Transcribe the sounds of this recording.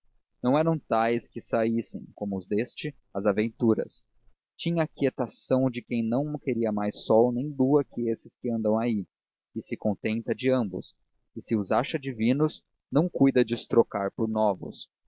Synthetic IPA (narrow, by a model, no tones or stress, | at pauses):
nɐ̃w̃ɛɾɐ̃w̃t̪ajskɪsaisḛ̃j̃kõmʊʊzd̪est͡ʃɪ | ɐzavẽnt̪uɾɐ̰s | t͡ʃĩɲɐːkiet̪asɐ̃w̃d͡ʒɪkẽj̃nɐ̃w̃keɾiɐmajsːɔwnẽj̃luɐkɪesɪskɪɐ̃nd̪ɐ̃w̃ai | ɪsɪkõnt̪ẽnt̪ɐd͡ʒɪɐ̃mbʊ̰s | ɪsɪuzaʃɐd͡ʒivĩnʊs | nɐ̃w̃kujd̪ɐd͡ʒɪʊst̪ɾokaɾpʊɾnɔvʊ̰s